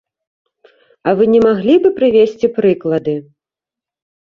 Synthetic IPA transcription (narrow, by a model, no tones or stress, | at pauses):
ɐvɨnʲɛmaɣlʲibɨpɾɨvʲesʲt͡sʲipɾɨklˠɐd̪ɨ